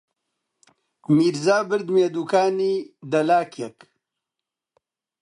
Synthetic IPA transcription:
miːɾzaːbɨɾd̪meːd̪uːkaːniːd̪ɐlaːkjɛk

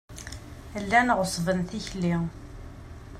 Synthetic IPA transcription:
lːænʁəsˤvənθiçli

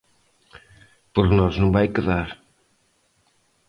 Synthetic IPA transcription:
poɾknɔznɐ̃w̃vajkeðaɾ

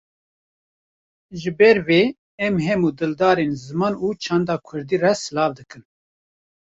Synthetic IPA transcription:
ʒɨbɛɾveː | ɛmɦɛmuːd̪ɨld̪ɑːɾeːnzɨmɑːnuːt͡ʃʰɑnd̪ɑːkʰʊɾd̪iːrɛsɨlɑːvd̪ɨkɨn

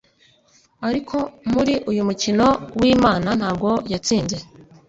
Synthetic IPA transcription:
aɾikʰo̞muɾiʔujumucino̞wiːmaːnan̥haːb̚ɡo̞jat͡siːnze̞

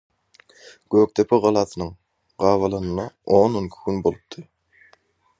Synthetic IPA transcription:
ɡ̥øːk̚t̪ʰepʰiʁɑlˠɑːθɯnɯŋ | ɢɑːvɑlˠɑnɯnɑoːnonkʰu̥ɡynbolˠɯp̚t̪ʰɯ

